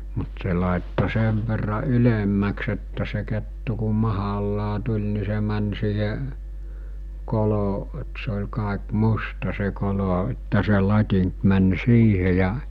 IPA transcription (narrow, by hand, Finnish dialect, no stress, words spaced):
mut se lɑˑetːo seʋ ʋerːɑ ylemːæks etːæ se ketːu ku mɑhɑlːɑː tulʲ ni se mæn siːhe kolo et se olʲ kɑˑek mustɑ se kolo etːæ se lɑtʲiŋk mæn siːhe jɑ